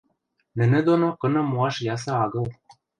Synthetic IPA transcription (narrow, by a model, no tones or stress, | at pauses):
nɘ̆nɘ̆d̪onokɤ̆nɤ̆muɑʃjɑs̬ɤ̆ɑɣɤ̆l